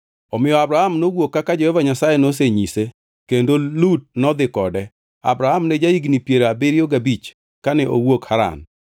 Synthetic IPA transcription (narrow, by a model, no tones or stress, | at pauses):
ɔmɪjɔabɾahamnowokːakad͡ʒɔɛvaɲasajenos̬eɲise | kendolut̚nɔd̪ɪkɔdɛ | a̰bɾahamnɛd͡ʒaiɡnipjeɾabɪɾjoɡabit͡ʃ | kanɛʔo̰wokhaɾa̰n